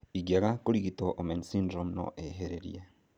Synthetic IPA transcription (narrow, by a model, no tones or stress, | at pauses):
iɡjaɣakuɾiɣitoʔomensindɾomno̰ʔeɦeɾeɾḭe